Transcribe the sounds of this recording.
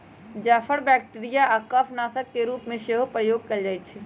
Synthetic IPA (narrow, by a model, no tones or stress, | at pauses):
d͡ʒaːfəɽbɛːk̚ʈeɾijaʔaːkaːfʰnaːsəkːeɾuːpmẽʃeːɦopɾəjoːɡ̚kɐld͡ʒaːet͡ʃʰɛ